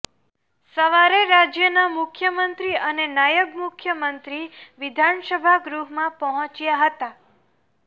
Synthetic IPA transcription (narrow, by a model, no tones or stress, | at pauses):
səʋaɾeɾad͡ʒjənamʊkʰjəmənt̪ɾiənenajəɡmʊkʰjəmənt̪ɾiʋɪd̪ʱansəbʱaɡɾuɦmãpəɦə̃t͡ʃjaɦət̪a